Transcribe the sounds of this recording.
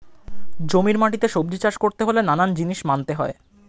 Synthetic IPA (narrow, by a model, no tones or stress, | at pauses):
d͡ʑomiɾmaʈit̪eʃob̚d̪it͡ɕaʃkoɾt̪eɦolenanand͡ʑiniʃmant̪eɦɔe